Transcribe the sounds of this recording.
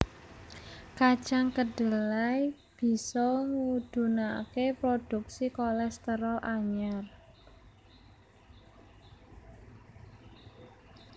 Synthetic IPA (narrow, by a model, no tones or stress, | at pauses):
kḁt͡ʃaŋkəɖ̥əlaj | b̥i̤sɔŋud̪̥ṳnakepɾod̪̥ṳk̚sikolɛst̪əɾɔʔaɲar